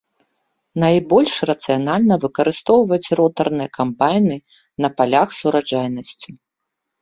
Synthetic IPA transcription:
najbɔlʲʂrɐt̪sɨjanalʲnɐvɨkɐɾɨst̪ɔwvɐt͡sʲrɔt̪ɐrnɨjɐkampajnɨ | nɐpalʲaxsuɾad͡ʐajnɐsʲt͡sʲu

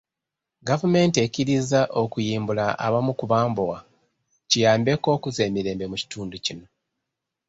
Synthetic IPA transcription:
ɡavume̞ːnte̞ciɾizaʔo̞kujiːmbulaʔa̰βamukuβaːmbuɣa | cijaːmbe̞ko̞ːkuze̞ːmiɾe̞ːmbe̞muci̥tuːnducino̞

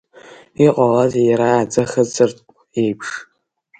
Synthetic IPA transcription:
iqʼaʁazjɾaːd͡zʼɐχəd͡zɨrtʼ | ejpʰʂ

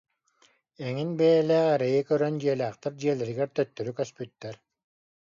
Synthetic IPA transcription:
ɛŋinbɛjɛlæːʁɛɾɛjikœɾœnd͡ʑiɛlʲæːχt̪ɛɾd͡ʑiɛlɛɾiɡɛɾt̪œt̪ːœɾykœspyt̪ːɛɾ

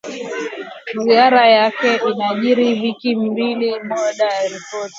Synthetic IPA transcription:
ziaɾajakɛʔinaʄiɾivikim̩bilimɔɗajaɾipɔti̥

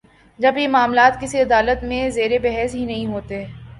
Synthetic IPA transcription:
d͡ʒɐbjemaːmlaːt̪kɪsiɐd̪aːlət̪mẽzeːɾebɛɦɛsɦinɐɦĩɦoːt̪eɛː

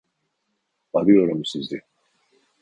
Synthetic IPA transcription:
aɾɯjo̞ɾumsizd̪ɛ

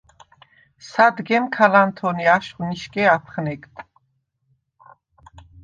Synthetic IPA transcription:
sad̪ɡɛmkʰalant̪ʰɔniaʃχniʃkʼɛapʰχnɛkt̪ʰ

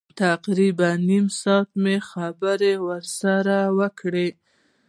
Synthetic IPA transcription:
t̪aqɾibanːimsɑt̪mexabəɾewəɾsaɾawəkɽe

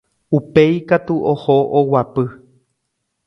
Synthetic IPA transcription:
upe̞jkat̪uʔohoʔowapɨ

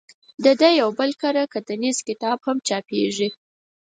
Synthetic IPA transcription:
d̪əd̪əjawbəlkaɾakəd̪ənizkɪt̪ɑbhamt͡ʃɑpḛʐi

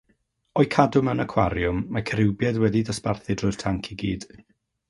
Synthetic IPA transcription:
ɔɨkʰadʊmənəkʰwaɾjʊmːakʰəɾɪwbjɛðwɛdidəsparθɪdrʊɨ̥tʰaŋkʰiɡiːd̥

